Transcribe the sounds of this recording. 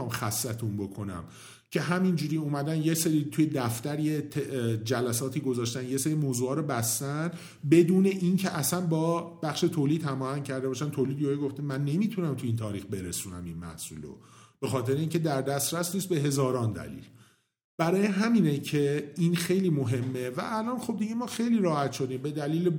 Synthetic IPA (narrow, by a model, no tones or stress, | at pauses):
ɒːmxæsːæt̪ʰunbo̞kʰo̞næ̰m | cʰe̞ɦæmind͡ʒuːɾiːumæd̪ænjeseɾit̪ʰuje̞d̪æft̪æɾjet̪ʰd͡ʒælæsɒːt̪ʰiːɡo̞zɒːʃt̪ænjeseɾimoːzuːɒːɾobæst̪æn | be̞d̪uːne̞ʔincʰe̞ʔæsænbɒːb̥æxʃe̞t̪ʰoːliːd̪hæmɒːhæŋcʰæɾd̪e̞bɒːʃænt̪ʰolid̪joeɡoft̪inmænːe̞miːt̪ʰunæmt̪ʰuiːnt̪ʰɒːɾiːxbe̞ɾesuːnæ̰minmæ̰hsṵːlo̰b̥e̞xɒːt̪ʰe̞ɾeiːŋcʰed̪æɾd̪æst̪ɾæsniːst̪̚be̞ɦe̞zɒːɾɒːnd̪æ̰lḭːl | b̥æɾɒːjeɦæminecʰeinxe̞jliːmo̞ɦe̞mːevæ̰ʔælɒːnxo̞b̚d̪iɟemɒːxe̞jliːɾɒːhæt̪ʃo̞d̪iːmbe̞d̪æliːle